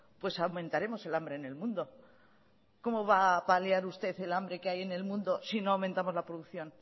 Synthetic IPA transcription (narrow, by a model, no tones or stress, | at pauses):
pwe̞sawmẽ̞nt̪aɾe̞mo̞se̞lambɾe̞ne̞lmũnd̪o̞ | ko̞mo̞βapaljaɾust̪e̞θe̞lambɾe̞keaje̞ne̞lmũnd̪o̞sino̞awment̪amo̞zlapɾoðuθjo̞n